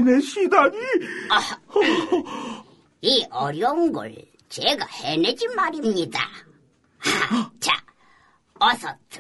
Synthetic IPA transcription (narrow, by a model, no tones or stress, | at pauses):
neɕid̪aɲi | iʔʌɾjʌŋɡɯ̰ɭ | t͡ɕeɡahened͡ʑimaɾimɲid̪a̰ | t͡ɕa̰ | ʌsʰʌtʰ